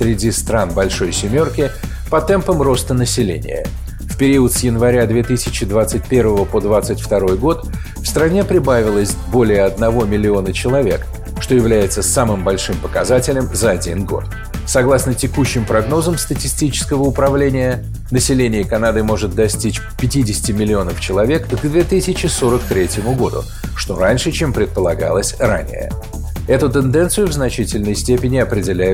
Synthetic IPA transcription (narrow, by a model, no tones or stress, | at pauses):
fsɾʲɪdʲist̪ɾanbɐlʲʂo̞jsʲɪmʲo̞rkʲɪ | pɐt̪ɛmpəmro̞st̪ənəsʲɪlʲḛnʲɪ̰jə̰ | fpʲɪɾʲiʊət̪sjɪnvɐɾʲad̪vʲe̞t̪ɨsʲɪt͡ɕɪd̪vat̪sɨtʲpʲe̞rvəvəpo̞d̪vat̪sɨtʲft̪ɐɾo̞jɡo̞t̪ | fst̪ɾɐnʲepɾʲɪbavʲɪlˠəsʲbo̞lʲɪjəɐd̪nɐvo̞mʲɪlʲɪo̞nət͡ɕɪlˠɐvʲe̞k | ʂt̪o̞jɪvlʲæjɪt̪səsamɨmbɐlʲʂɨmpəkɐzatʲɪlʲɪmzəɐdʲḭnɡo̞̰t̪ | sɐɡlˠasnətʲɪkuɕːɪmpɾɐɡno̞zəmst̪ətʲɪsʲtʲit͡ɕɪ̥skəvəʊpɾɐvlʲenʲɪjə | nəsʲɪlʲenʲɪjəkɐnad̪ɨmo̞ʐɨt̪̚d̪ɐsʲtʲit͡ɕ | pʲɪtʲidʲɪsʲɪ̥tʲɪmʲɪlʲɪo̞nəft͡ɕɪlˠɐvʲe̞kɡd̪vʲe̞t̪ɨsʲɪt͡ɕɪso̞ɾəkt̪ɾʲetʲjɪmʊɡo̞d̪ʊ̰ | ʂt̪o̞ɾanʲʂɨt͡ɕe̞mpɾʲɪt̪̚pəlˠɐɡa̰lˠəsʲra̰nʲɪ̰jə̰ | ɛt̪ʊt̪ɨnd̪ɛnt̪sɨjʊvznɐt͡ɕitʲɪlʲnəjsʲtʲepʲɪnʲɪɐpɾʲɪdʲɪlʲæjɪ